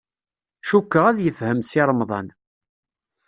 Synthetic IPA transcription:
ʃukːəʁæðjəfhəmsɪɾˤmðˤɑ̰n

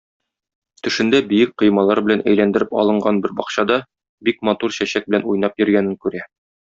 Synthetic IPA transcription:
t̪ɵ̆ʃɘ̆nd̪æbijɘk̚qɤ̆jmɑlˠɑɾbɘ̆lænʔæ̰jlænd̪ɘ̆ɾɘpɒ̰lˠɤ̆ɴɢɑnbɘɾbɒqɕɑd̪ɑ | bik̚mɑt̪uɾɕæɕæk̚bɘ̆lænujn̪ɑpjɵ̆ɾɡænɘŋkʉɾæ

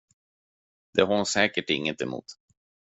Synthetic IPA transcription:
d̪̥ɛɦaɾʊsɛːkəʈɪ̰ŋːət̪ɛmṵːt̪

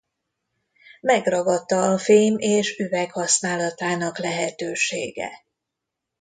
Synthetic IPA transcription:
mɛɡrɒɡɒt̪ːɒːfeːmeːʃyvɛkhɒsnaːlɒt̪aːnɒklɛɦɛt̪øːʃḛːɡɛ̰

